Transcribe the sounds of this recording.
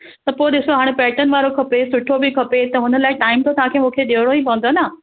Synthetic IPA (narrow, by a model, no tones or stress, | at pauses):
t̪ɐpoːɗɪsoɦaːɽ̃pɛːʈənɪ̆ʋaːɾokʰɐpesʊʈʰobɪkʰɐpet̪ɐɦʊnəlaːɪʈaːɪmt̪ʰot̪ɐʋ̤ãːkʰeːmũːkʰeɗeɦɽ̃oĩpɐʋə̃nd̪onaː